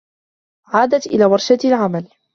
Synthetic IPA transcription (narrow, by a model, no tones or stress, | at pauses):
ʕaːd̪at̪ʔɪ̰laːwɑɾˤʃat̪lʕamal